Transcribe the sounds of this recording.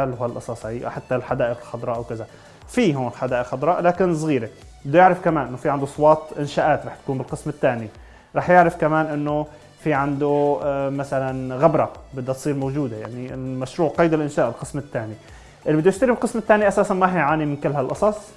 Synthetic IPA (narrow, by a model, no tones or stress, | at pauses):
alalʔɑsˤɑsˤhaiːʔa̰ħat̪ːalħad̪aːʔɪqɪlxɑd̪ˤɾˤɑːʔawkaza | fiːɦoːnɪlħad̪aːʔɪqxɑd̪ˤɾˤɑːʔlaːkɪns̬ˤɣiːɾe | bɪd̪ːʊjɪʕɾɪfkamaːnʔɪnːofiʕand̪osˤwɑːt̪ˤʔɪnʃaːʔaːt̪ɾˤɑːħt̪kuːmbɪlqɨsmɪt̪ːaːni | ɾˤɑːħjɪʕɾɪfkamaːnʔɪnːo | fiʕand̪omasalanɣabɾˤɑbɪd̪ːat̪sˤiːɾmowd͡ʒuːd̪ajaʕnimaʃɾuːʕqɑjd̪ɪlʔɪnʃaːʔbɪlqɨsmɪt̪ːaːni | ʔɪlibɪd̪ːjɪʃt̪aɾibɪlqɨsmɪt̪ːaːniʔasaːsanmaɦiʕaːnimɪnkɪlːɦalʔɑsˤɑsˤ